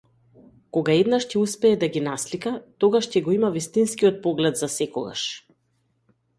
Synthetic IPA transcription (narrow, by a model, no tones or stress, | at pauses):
kɔɡaɛd̪naʃcɛuspɛːd̪aɡinaslikat̪ɔɡaʃcɛɡɔimavist̪inskiɔt̪̚pɔɡlɛd̪zasɛkɔ̰ɡa̰ʃ